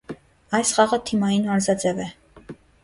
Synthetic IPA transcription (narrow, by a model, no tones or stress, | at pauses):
ɑjsχɑʁət̪ʰimɑjinmɑɾzɑd͡zɛvɛ